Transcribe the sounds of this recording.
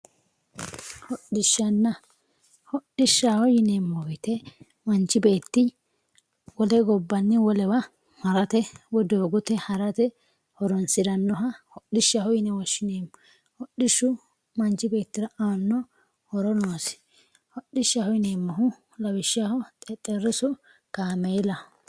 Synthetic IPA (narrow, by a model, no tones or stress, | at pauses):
hɔɗɪʃːɐnːɐ | hɔɗɪʃːaːhɔjɪnemːɔjt̪ɛ | mɐnt͡ʃːɪbe̞ːt̪ːɪ | wɔlɛɡɔbːɐnːɪwɔlɛwɐ | hɐɾɐt̪ɛwɔd̪oːɡʊt̪ɛhɐɾɐt̪ɛ | hɔɾɔnsɪɾɐnːɔɦɐhɔɗɪʃːahɔjɪnɛwɔʃɪneːmː | hɔɗːɪʃːʊ | mɐnt͡ʃːɪbe̞ːt̪ːɪɾɐʔɐɐnːɔ | hɔɾɔnoːsɪ̥ | hɔɗːɪʃahɔjneːmːɐɦʊ | lɐbɪʃːahɔt̪ʼɛt̪ʼɛɾːɪsɔ | kaːmejlɐ